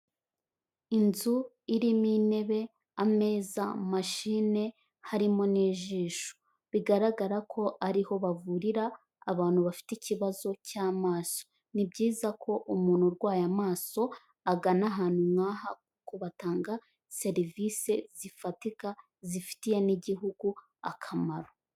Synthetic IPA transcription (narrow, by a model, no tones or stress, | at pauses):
inzu | iɾimine̞βe̞ | ame̞ːzamaʃiːne̞ | haɾimo̞niːʒiːʃu̥ | βiɡaɾaɡaɾakʰo̞ʔaɾiho̞βavuɾiɾaː | βaːn̥huβafi̥teciβazo̞caːmaːso̞̥ | nibɟiːzakʰo̞ʔumuːn̥huɾɡwaːjamaːso̞ | aɡanaɦaːn̥humŋaːhak̚uko̞βataːŋɡa | se̞ɾiviːse̞zifatika | zifi̥tije̞niɟiɦuɡu | akʰamaɾo̞